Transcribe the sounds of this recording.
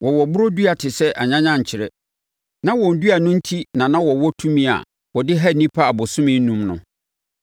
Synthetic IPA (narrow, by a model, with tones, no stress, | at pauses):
wʔɔ˨wɔ˨bʊ˦ɾo˦du˦a˨tʰɪ˨sɛ˦ʔa˨ɲã˦ɲã˦˨ɲ̩˨t͡ɕʰɪ˨ɾɛ˦ | nã˦wɔ̃˨n̩˨du˦a˨nʊ̃˦n̩˦tʰi˦nã˨nã˦wɔ˨wɔ˦tʰũ˦mĩ˦a̰˨ | wɔ˨dɪ˦ɦa˦˨nĩ˦pʰa˦a˨bʊ˨sʊ̃˦mɪ̃˦n̩˦nũ˦mnʊ̰̃˨